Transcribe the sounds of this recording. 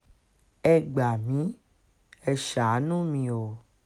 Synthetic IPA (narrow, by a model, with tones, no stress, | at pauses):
ɛ˨ɡ͡ba˨mĩ˨˦ | ɛ˧ʃa˨˦nũ˦mĩ˧o˨